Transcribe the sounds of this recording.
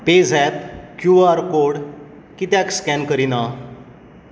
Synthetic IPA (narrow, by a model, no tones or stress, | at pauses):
ped͡zʱɛt̪kjuaɾkoɽ | kit̪jakskɛnkəɾina